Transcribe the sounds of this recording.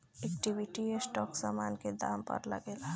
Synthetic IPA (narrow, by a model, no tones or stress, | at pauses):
ɛkʈibiʈiesʈɔːksaːmaːnked̪aːmpə̰ɾlə̰ɡela